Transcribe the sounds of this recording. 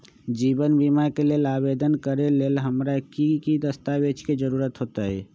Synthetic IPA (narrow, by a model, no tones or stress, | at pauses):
d͡ʒibənbimakelelabed̪ənkəɾelelɦəmɾakikid̪əst̪abet͡ʃked͡ʒəɾuɾət̪ɦot̪əɛ